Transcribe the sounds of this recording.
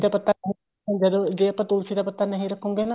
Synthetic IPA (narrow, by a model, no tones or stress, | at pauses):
d̪aːpət̪aːnəɦĩ | ãd͡ʒəd̪od͡ʒeːəpãːt̪ʊːlsiːd̪aːpət̪aːnəɦĩːɾəkʰːũːɡeːna